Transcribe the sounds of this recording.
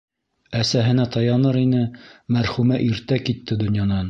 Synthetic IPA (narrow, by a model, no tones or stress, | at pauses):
æsæɦɘ̆næt̪ɑjɑnɤɾinɘmæɾχʉmæʔiɾt̪ækit̪ːɘd̪ŏnjɑnɑn